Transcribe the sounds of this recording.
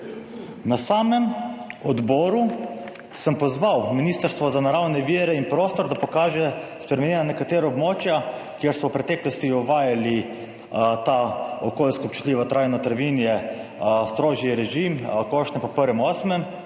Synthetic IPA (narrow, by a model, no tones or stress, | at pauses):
nasaːmɛmɔd̪bɔːɾu | səmpɔzʋawminiːst̪əɾst̪ʋɔzanaɾawnɛʋiːɾɛinpɾoːst̪ɔɾd̪apɔkaːʒɛspɾɛmɛnʲjɛnanɛkat̪eːɾɔɔbmoːt͡ʃja | kjeɾsɔwpɾɛt̪ɛːklɔst̪iɔʋaːjali | t̪aɔkoːlskɔːp̚t͡ʃu̥t̪lʲiːʋat̪ɾʔajnɔt̪ɾaʋinjɛ | st̪ɾoːʒiɾɛʒimkoʃt̪nɛpɔpəɾʋɛmɔːsmɛm